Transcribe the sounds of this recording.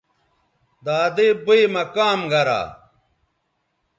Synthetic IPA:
d̪aːd̪eboemɐkaːmɡɐɾa̰ː

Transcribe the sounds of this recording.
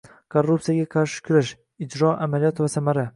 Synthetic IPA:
kʰorːup̚t̪ijaɡʲaqʰɑɾʃɪ̥kʲʰʊɾaʃ | ɪd͡ʒɾɒʔa̰malijɒt̪vasamaɾa

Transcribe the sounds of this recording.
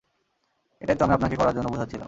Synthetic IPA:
ḛʈait̪oamiapnaɾkekɔɾaɾd͡ʑonːobud͡ʑʱat͡ɕʰila̰m

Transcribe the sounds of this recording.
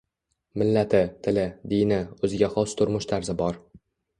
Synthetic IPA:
mɪlːat̪ʰɪt̪ʰɪlɪd̪ijnɪɵzɪɡʲaχɒst̪ʰʊɾmʊʃt̪ʰaɾzɪbɒɾ

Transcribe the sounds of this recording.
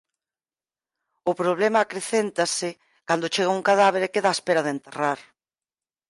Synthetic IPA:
ʊpɾoβlɛmaːkɾeθent̪asɪ | kand̪ʊt͡ʃeɣ̞auŋkaðaβ̞eɾkeðaespeɾɐðent̪eraɾ

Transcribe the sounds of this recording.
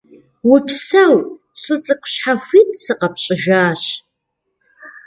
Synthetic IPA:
wʊpʰsɐw | ɕʼɨt͡sʼɨkʷʰʼɕħaxʷiːtʰʼsɨqɐpɕʼɪʒaːɕ

